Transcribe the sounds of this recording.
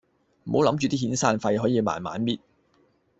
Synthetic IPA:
m̩˨ho˨˧˥wlɐ˨˥mt͡ʃy˨˧t̪iː˥ɦiː˨˥nsaː˧nfɐ˧jɦɔː˨˥jiː˨˧ma̰ː˨nma̰ː˨˥nmiː˥t̚

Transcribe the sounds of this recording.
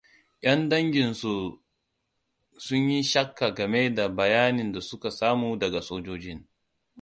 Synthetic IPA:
ʔʲɐ˦ndɐ˦ŋɡʲɪ˨nsu˨ | sʊ˦ɲji˦ʃɐ˦kːa˨ɡɐ˨me˦da˨bɐ˨jaː˦nɪ˨nda˨sʊ˦ka˨saː˦muː˨dɐ˨ɡa˨soː˦d͡ʒoː˦d͡ʒɪ˦ŋ

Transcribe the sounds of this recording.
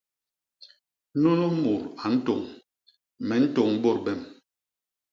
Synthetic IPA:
no˦no˦mu˨ɾa˨n̩˦to˨ŋ | mɛ˨n̩˦to˨ŋ˦bo˦˨bɛ˦˨m

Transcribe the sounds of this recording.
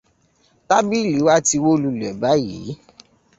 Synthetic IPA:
ta˦bi˦˨li˨˦wa˦ti˧wo˦lu˧˨lɛ˨ba˨˦jḭ˨˦

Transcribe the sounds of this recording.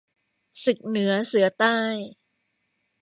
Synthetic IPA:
sɯ˨˩k̚nɯ˩˦ɐsɯ˨˩˦ɐt̪aː˥˩j

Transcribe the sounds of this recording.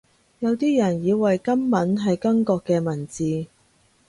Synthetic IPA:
jɐ˨˧wt̪iː˥jɐ˨˩njiː˨˧wwɐ˨jkɐ˥mmɐ˨˥nɦɐ˨jkɐ˥ŋkɔː˧kːɛː˧mɐ˨˩nt͡siː˨˧

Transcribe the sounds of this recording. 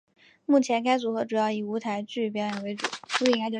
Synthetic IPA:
mu˥˩t͡ɕʰjɛ˧˥nka˥ɪt͡su˧˥xɤ˧˥ʈ͡ʂu˨˩jɑ˥˩ʊi˨˩u˧˥t̪ʰa˧˥ɪt͡ɕy˥˩p̬jɑ˧˥ʊjɑ˨˩we˧˥ɪʈ͡ʂṵ˨˦u˧˥˧ŋʰa˥t͡ɕjo˥˩

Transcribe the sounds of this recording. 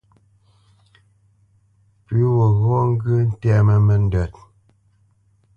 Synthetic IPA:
pʉ˨˦wo˨ɣɔ˦ŋ˦ɡʉ˦n̩˦tɛ˦mə˨mə˨n˦də˨t̚

